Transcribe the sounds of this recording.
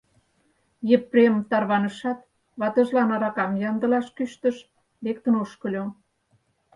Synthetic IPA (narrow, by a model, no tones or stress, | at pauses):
jə̆pːremt̪ɑrβɑnə̆ʃɑt̪ | βɑt̪ə̆ʒlɑnɑɾɑkɑmjɑnd̪ə̆lɑʃkyʃt̪əʃ | βekt̪ə̆noʃkə̆lʲo